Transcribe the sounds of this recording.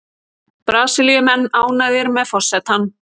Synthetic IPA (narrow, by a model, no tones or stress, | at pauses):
pɾaːsɪljʏmɛnːaːwnajðɪɾmɛðfɔr̥sɛt̪hanː